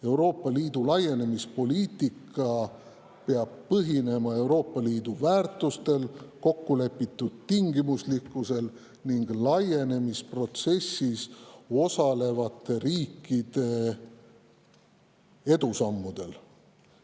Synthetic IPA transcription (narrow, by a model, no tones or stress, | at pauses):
e̞wɾo̞ːpˑːɑliːd̪̥ulɑje̞ne̞mispo̞liːt̪ikːˑɑ | pe̞ɑb̥̚pɤɦine̞mɑe̞wɾo̞ːpːɑliːd̪̥uvæːrt̪ˑust̪e̞lko̞kːule̞pːˑit̪ːˑud̪̥̚t̪iŋɡimuslikːˑuse̞l | niŋɡ̥lɑje̞ne̞mispro̞t̪se̞sːiso̞sɑle̞vɑt̪ːˑe̞ɾiːkːˑid̪̥e̞ | e̞d̪̥usɑmːud̪̥e̞l